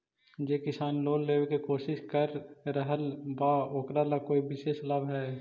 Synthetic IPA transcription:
jeːkɪsaːnloːlleːʋekekoːʃɪʃkəɾɾəɦəlbaoːkɾalakoːibɪʃeːʃlɐbʱɦɛː

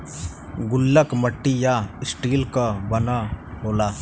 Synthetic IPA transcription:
ɡʊlːəkməʈːijasʈiːlkabɐnaboːlaː

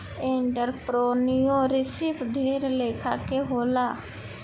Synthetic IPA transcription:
ẽːɳʈəɾpɾoːnijõːɾɪsipɖʱeːɾleːkʰaːkeɦoːlaː

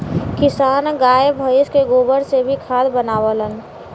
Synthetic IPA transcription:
kɪsaːnɡaːjbʱəɪskeɡoːbəɾsebʱikʰaːd̪bənaːʋələn

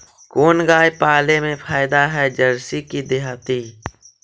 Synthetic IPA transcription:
koːnɡaːjpaːlemẽpʰaːɪd̪aɦɛd͡ʒəɾsikid̪ɪɦaːt̪i

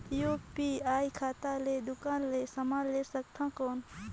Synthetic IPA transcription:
jopiaːjkʰaːt̪aled̪ʊkaːnlesəmaːlesək̚t̪ʰãkɔːn

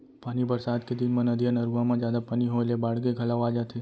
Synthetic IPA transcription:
paːnibəɾsad̪ked̪inmãnəd̪ʱijənəɾuʋamãd͡ʒjad̪apaniɦoelebaɽɡeɡʱəlaʋad͡ʒat̪ʰe

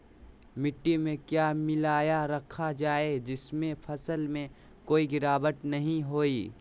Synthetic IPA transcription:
mɪʈːimẽkjaːmɪlaːjaɾɐkʰad͡ʒaːed͡ʒɪsmẽpʰɐsəlmẽ | koːiɡɪɾaːbəʈ̪nɐɦĩɦoːiː

